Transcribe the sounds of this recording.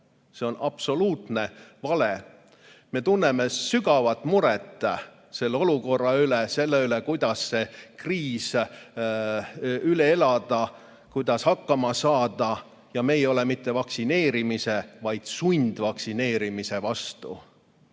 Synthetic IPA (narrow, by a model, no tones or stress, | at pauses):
se̞o̞nʔɑpso̞luːt̪ˑne̞vɑle | me̞t̪unːeme̞syɡɑvɑt̪ːˑmuɾɛt̪ˑː | se̞lːeo̞luko̞rːɑylese̞lːeylekujd̪̥ɑsse̞kriːs | yleelɑd̪̥ɑ | kujd̪̥ɑshɑkːɑmɑsɑːd̪̥ɑ | jɑmeːjo̞lemit̪ːe̞vɑksine̞ːɾimise̞vɑjd̪̥sunʲd̪̥vɑksine̞ːɾimise̞vɑst̪ṵ